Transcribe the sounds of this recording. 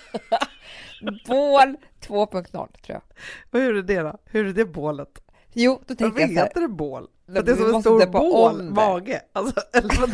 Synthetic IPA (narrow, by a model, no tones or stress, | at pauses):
boːl | t̪ʰvoːpʰɵŋk̚t̪nɔ̰lːt̪ʰɾṵːja̰vajuːɖəd̪eːɾahɵɾɛɖ̪ɛboːlət̪ | juːd̪ɔt̪ʰɛvet̪ːəd̪ɛboːl | ɾt̪d̪ɛsɔmɛnst̪uːɾoːlmɑːɡəalsɔɛlv